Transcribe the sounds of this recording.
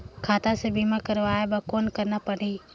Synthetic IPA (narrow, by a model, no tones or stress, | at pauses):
kʰaːt̪asebimãkəɾʋaːebakoːnkəɾnapəɽ̤iː